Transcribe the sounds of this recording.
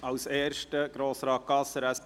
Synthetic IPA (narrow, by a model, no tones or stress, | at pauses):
ɑwseːɾʃtəɡ̥ɾoːsɾɑːkɑsəɾæs